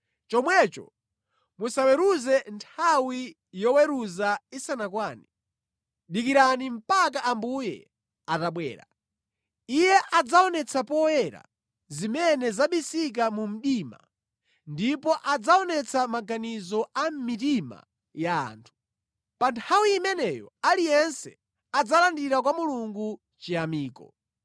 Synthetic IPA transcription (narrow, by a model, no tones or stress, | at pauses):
t͡ʃɔmwɛt͡ʃɔ̰ | musawɛɾuzɛntʰawi | jɔwɛɾuzaisanakwaːni | ɗik̬iɾanim̩pak̬aʔambujɛ̰ | ataɓwɛ̰ːɾa̰ | ijɛʔad͡zaɔnɛt͡sʰapɔjɛɾa̰ | zimɛnɛzaɓisik̬amum̩ɗima̰ | ndipɔʔad͡zaɔnɛt͡sʰamaɡanizɔʔam̩mit̬ima̰ | ja̰ːntʰu̥ | pantʰawiːmɛnɛjɔ̰alijɛnsɛ | ad͡zalandiɾakwamuluŋɡu | t͡ʃiamiːkɔ̰